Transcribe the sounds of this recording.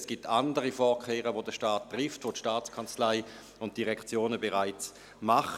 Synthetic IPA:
sɡ̥iːp̚tʰandəʁifɔːkʰeːʁəvodəʃtaːtːʁɪftvotʃtaːt͡skʰant͡slaɪ | ʊnt̚d̥iʁɛkt͡sjoːnəbeʁaɪt͡s | maχ

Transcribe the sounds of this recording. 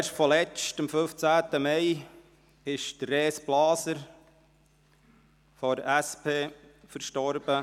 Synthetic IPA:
eʃtfɔlɛt͡ʃtəmfɵft͡sæːtəmɛɪ | ɪʃd̥ərːeːsb̥lɑːsəɾ | fɔɾæspʰeːfəɾʃtɔɾb̥ə

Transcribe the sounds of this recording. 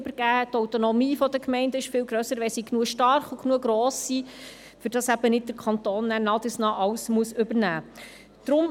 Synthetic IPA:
bəɾɡ̥æːhɛtɔwt̪onɔmiːfɔdəkmɛɪndəɪʃfɪlɡɾœsəɾʋɛsiknuəʃtɑɾχuknuəɡɾoːsːi | fʏɾd̥ɑsæb̥ənɪt̚d̥əɾkʰɑnt̪oːnːæːɾnɑːd̪ɪsnɑːʔɑwsmuəsʏbəɾnæː | d̥ɾʊm

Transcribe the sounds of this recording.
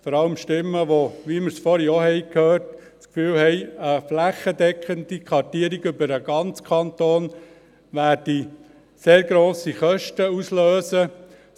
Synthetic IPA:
fɔɾɑləmʃtɪmːəʋoʋiməɾsfɔɾiɔɦɛɪkʰhøːɾt | t͡skfyːlhɛɪəflæχːədɛkχəndikʰɑɾtiːəɾiɡʏbəɾəɡ̥ɑnt͡skʰɑnt̪oːn | ʋæːɾd̥i | seːɾɡɾoːsiχœʃtəusløːsə

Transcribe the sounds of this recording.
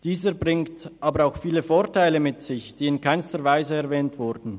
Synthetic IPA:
d̥iːzəbʁɪŋtʔaːbəɾaʊxfiːləfoːʁtʰaɪləmɪtsɪçd̥iːɪnkʰaɪnstəʁvaɪzəɛʁvɛːntv̥ʊɾdn̩

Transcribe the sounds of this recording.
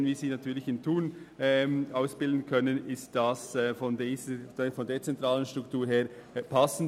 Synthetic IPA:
nviːziːnɑtʰyːɐlɪçɪntʰuːnɛmʔaʊsb̥ɪldn̩kʰœnənɪst̚d̥asɛfɔnde̥fɔndeːɐt͡sɛntʁaːlənʃtʁ̥ʊktʰuːɾheːɾpʰasn̩

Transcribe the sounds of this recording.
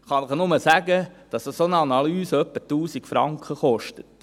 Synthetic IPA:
χɑnɪχnʊməsæɡəd̥ɑsəsonəɑnɑlyːsəœpːətuːsikfɾɑ̰ŋkχəχɔʃtə̥t

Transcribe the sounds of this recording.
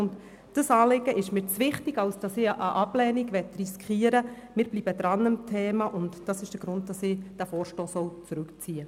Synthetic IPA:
ʊnt | d̥əsɑːlɪɡəʔɪʃmɪːɾt͡sʋɪχtɪɡɑwsd̥ɑsɪːʔəʔɑblɛːniɡʋɛtriskχiːəɾəmɪːɾb̥liːbədɾɑnəmtʰeːmɑʔʊntd̥ɑsɪʃd̥əɾɡ̥ɾʊnt̚d̥ɑsɪːd̥æfɔːɾʃtoːsɔwt͡sɾʉkt͡siːə

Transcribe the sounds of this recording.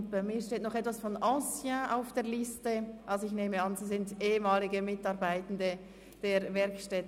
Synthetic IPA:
tb̥aɪmiːɐʃteːtnɔχɛtv̥asfɔnʔɑːsjaʔaʊfd̥eːɐlɪstəʔalzoɪçneːməɑnziːsɪndʔeːəmaːlɪɡəmɪtɑɾbaɪtən̩də | d̥eːɾvɛɾkʃtɛt

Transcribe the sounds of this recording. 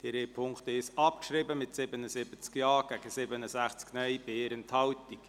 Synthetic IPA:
d̥iɾeːpʰʊŋktɪsɑp̚kʃɾibəmɪtsɪbənəsɪbət͡skjɑːɡ̥æɡəsɪbənəsæχt͡sknœʏb̥eːɾənthɑwtik

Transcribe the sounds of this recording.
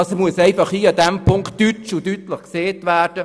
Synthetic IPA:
ɑsomuəsɛɪfɑχiːɑd̪ɛmpʰʊŋktːytt͡ʃudyt̪ləχkseːtʋæːrd̥ə

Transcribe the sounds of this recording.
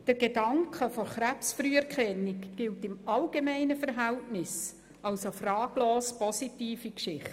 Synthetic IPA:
d̥əɾɡ̥edɑŋkʰəfɔɾχɾæpsfɾyːɛɾkʰɛnːikɡ̥ɪltɪmɑlɡ̥emæɪnəfɛɾɦæltnɪs | ɑlsofrɑːɡ̥loːspɔsitiːfikʃɪχt

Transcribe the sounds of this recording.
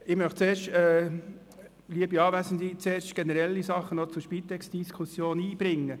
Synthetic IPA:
ɪmœχtt͡seːɾʃtɛ | liəbiɑːʋæsən̩d̪it͡seːrʃtɡ̥ɛnəɾɛlːisɑχːənot͡sʊɾʃpit̪ɛksd̥̪iskʰusjoːniːb̥ɾɪŋːə

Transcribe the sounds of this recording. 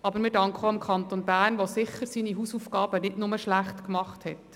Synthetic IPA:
ʔɑbəɾmɪɾdɑŋkχəoɪmkʰχɑnt̪onbæːɾnʋosɪχəɾsiːniɦusufɡɑːb̥ənɪtnʊməʃlæχtkmɑχthɛt

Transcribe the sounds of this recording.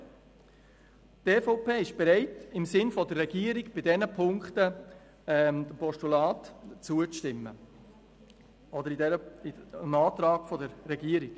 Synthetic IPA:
teːfoʊpeːɪʃb̥ɛɾɛɪtɪmsɪnfɔdərːɛɡiəɾɪɡb̥ɪdɛnəpʰʊŋkχtə | ɛmd̥əmpɔʃtulɑːtt͡suət͡sʃtɪmːə̰ | ɔd̪əɾidɛɾəmɑːt̪ɾɑːɡ̥fɔdəɾːɛɡiəɾɪɡ̥

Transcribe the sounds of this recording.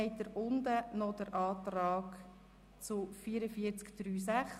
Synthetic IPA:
ɛjt̪əɾʊnd̪ənɔd̪əɾʔɑːt̪rɑːɡ̥ | t͡sʊfiːɾəfiəɾt͡skd̥ɾyːsæχ

